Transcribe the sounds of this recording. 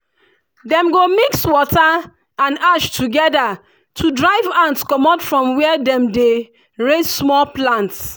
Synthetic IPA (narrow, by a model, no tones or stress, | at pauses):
dɛ̃mɡomikswɔta | ãnaʃtʰuɡɛda | tʰudɹaɪvãntskɔmatfɹɔ̃mwɛɛdɛ̃mde | ɹessmɔlplãnts